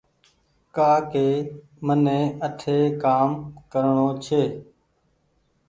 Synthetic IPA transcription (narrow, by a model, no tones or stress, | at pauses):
kaːkeː | mənẽːəʈʰeːkaːmkəɾɳoːt͡ʃʰeː